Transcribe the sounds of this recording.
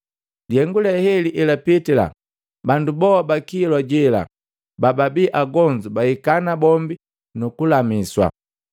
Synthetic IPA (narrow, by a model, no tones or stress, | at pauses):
diɛŋɡulɛhɛliʔɛlapitila̰ | bandubɔabakilwaɟɛla̰ | bababiʔaɡɔɲd͡ʒubahikanabɔmbi | nukulamiswa̰